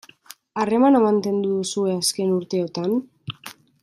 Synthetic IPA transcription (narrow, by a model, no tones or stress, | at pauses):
are̞manamant̪e̞nd̪uðusue̞aske̞nuɾt̪e̞ot̪an